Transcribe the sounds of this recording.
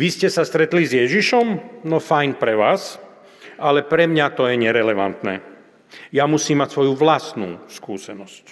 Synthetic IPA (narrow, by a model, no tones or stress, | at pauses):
ʋiscɛsast̪ɾɛt̪lizjɛʒiʃɔmnɔfajnpɾɛʋaːs | ʔalɛpɾɛmɲat̪ɔjɛɲɛɾɛlɛʋa̰nt̪nɛ̰ː | jamusiːmːacsʋɔjuʋlast̪nṵːskuːsɛnɔsc